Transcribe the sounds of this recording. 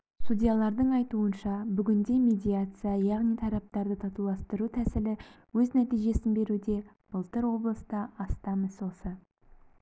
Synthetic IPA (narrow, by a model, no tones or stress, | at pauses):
sud̪ʲijalˠɑɾd̪əɴɑjt̪uənʃɑbʏɡʲɪnd̪e̞mʲe̞d̪ʲijat̪sɨjajɑʁnijt̪ʰɑɾɑp̚t̪ɑɾd̪ət̪ʰɑt̪ulˠɑst̪əɾut̪ʰæsɪlɪ | wɵznæt̪ijʒe̞sɪnbe̞ɾud̪e̞ | b̥əlˠt̪əɾwo̞blˠəst̪ɑɑst̪ɑməzso̞sə